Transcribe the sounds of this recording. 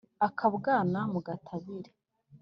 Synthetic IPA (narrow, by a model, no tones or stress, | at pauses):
akʰaβɡaːnamuɡatʰaβiɾe̥